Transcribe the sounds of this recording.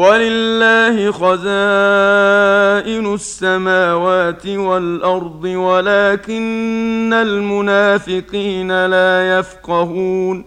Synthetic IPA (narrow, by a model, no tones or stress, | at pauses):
walɪlːaːhɪxazaː | ʔɪnʊsːamaːwaːt̪ɪwalʔɑɾˤd̪ˤɨwalaːkɪnːalmʊnaːfɪqiːnalaːjafqɑhuːn